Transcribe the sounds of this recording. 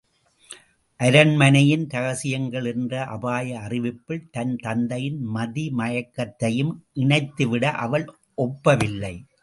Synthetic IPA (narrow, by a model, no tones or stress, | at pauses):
ʔɐɾɐnmɐnɐjɪnt̪ɐɣɐsɪjɐŋɡɐɭɛndrɐʔɐbaːjɐːrɪʋɪpːɪɭt̪ɐnt̪ɐnd̪ɐjɪnmɐðimɐɻɐkːɐt̪ːɐjɯmʔɪɳɐɪt̪ːɯʋɪɽɐʔɐʋɐɭ | ʔɔpːɐʋɪlːɐɪ